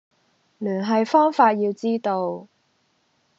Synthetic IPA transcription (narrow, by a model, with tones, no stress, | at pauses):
lyː˨˩nɦɐ˨jfɔː˥ŋfaː˧t̚jiː˧wt͡siː˥t̪o˧w